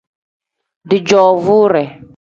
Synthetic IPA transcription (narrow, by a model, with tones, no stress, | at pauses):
dɪ˨d͡ʒɔ˨vu˦ɾɛ˨